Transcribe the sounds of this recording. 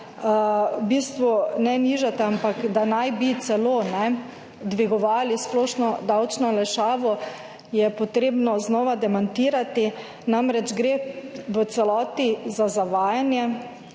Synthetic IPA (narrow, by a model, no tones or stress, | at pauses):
bist̪ʋunɛniʒat̪ɛampakd̪anajbit̪sɛlonɛ | d̪ʋiɡɔʋaːlisplɔːʃnɔd̪awt͡ʃnɔlɛʃaːʋɔ | jɛpɔt̪ɾeːbnɔznɔːʋad̪ɛmant̪iːɾat̪i | namɾɛt͡ʃɡɾeʋət̪sɛlɔːt̪izazaʋaːjanjɛ